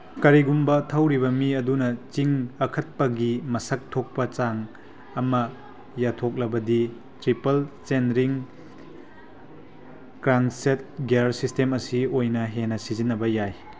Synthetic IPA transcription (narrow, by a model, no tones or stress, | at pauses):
kɐɾiɡumbɐtʰɐwɾiβɐmiɐdunɐt͡ʃiŋɐkʰɐt̚pɐɡimɐsɐk̚tʰok̚pɐt͡ʃaŋ | ɐmɐ | jatʰok̚lɐbɐdi | tɾipɐlt͡ʃenɾiŋ | kɾaŋset̚ɡeɾsistemɐsiojnɐɦenɐsizinːɐbɐjaj